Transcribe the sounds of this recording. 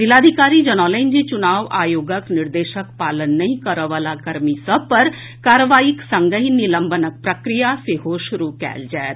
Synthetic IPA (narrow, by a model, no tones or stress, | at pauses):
d͡ʒɪlaːd̪ʱikaːɾid͡ʒɐnɔːləɪ̃nd͡ʒit͡ʃʊnaːʋaːjoːɡəknɪɾd̪eːʃəkpaːlənːɐɦĩkəɾəʋaːlakɐɾmisɐb̚pɐɾ | kaːɾəʋaːiksə̃ŋɡəɦinɪlə̃mbənək̚pɾəkɾijaseɦoʃʊɾukɛ̰ːld͡ʒaːet̪